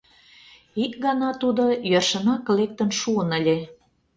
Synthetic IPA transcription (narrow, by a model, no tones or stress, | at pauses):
ikɡɑnɑt̪ud̪ojørʃə̆nɑklek̚t̪ə̆nʃuənə̆lʲe